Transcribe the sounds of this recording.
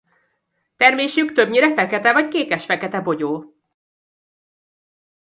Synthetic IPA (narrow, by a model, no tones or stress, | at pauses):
t̪ɛrmeːʃykt̪ø̞bɲiɾɛfɛkɛt̪ɛvɒckeːkɛʃfɛkɛt̪ɛbo̞ɟoː